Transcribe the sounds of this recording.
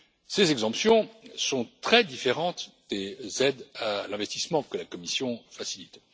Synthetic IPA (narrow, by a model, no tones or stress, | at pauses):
sezɛɡzɑ̃psjɔ̃sɔ̃t̪χɛd̪ifeʁɑ̃t̪ | d̪̥ezɛd̪alɛ̃vɛst̪ismɑ̃kəlakɔmisjɔ̃fasilit̪